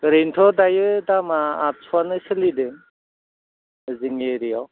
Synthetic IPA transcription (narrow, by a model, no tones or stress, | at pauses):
ɡɾentʰɔdajɯdamaːt̚sʰuanɯsɯlidɯ | əziŋeɾijaw